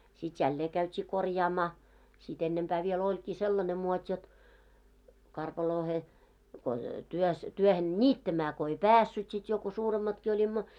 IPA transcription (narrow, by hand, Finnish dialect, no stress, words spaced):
sit jælːeː kæytʲiː korjɑːmɑː sit enːempæː ʋiel olʲkiː selːɑne muotʲ jot kɑrpɑloːhe ko tyøs tyøhen nʲiːtːæmæː ko ei pæːsːyt sit jo ko suːremːɑtki olʲimːo